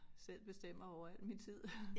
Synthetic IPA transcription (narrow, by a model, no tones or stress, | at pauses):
sel̰b̥e̝sd̥em̰ɐɒʊ̰ɐæl̰̥mint͡sʰið̰ˠ